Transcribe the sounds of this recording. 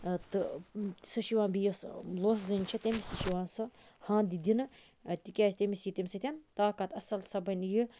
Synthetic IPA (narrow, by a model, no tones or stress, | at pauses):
t̪ɨt̪sɨʃiʋãːnbijosloːszɨnʲt͡ʃʰɐt̪ʲemisʲt̪iʃiʋãːnsɨhãːnd̪id̪ʲinɨ | t̪ikʲaːzt̪ʲemisjit̪ʲemʲsɨt̪ʲant̪aːkɐt̪ɐsɐlsɐbɐnʲji